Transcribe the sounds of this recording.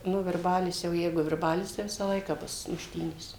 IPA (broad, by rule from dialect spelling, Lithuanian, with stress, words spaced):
nʊ ʋʲɪrˈbɑːlʲɪs jɛʊ ˈjɛɪɡʊ ʋʲɪrˈbɑːlʲɪs tɐɪ ˈʋʲɪsɐ ˈlˠɐɪkɐ ˈbʊs mʊʃʲˈtʲiːnʲeːs